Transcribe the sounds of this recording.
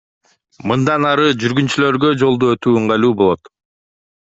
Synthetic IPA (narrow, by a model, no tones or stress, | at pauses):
mɯnd̪ɑnɑɾɯd͡ʒyɾɡynt͡ʃylø̞ɾɡø̞d͡ʒo̞lˠd̪uøt̪yːɴʁɑjluːbo̞lˠo̞t̪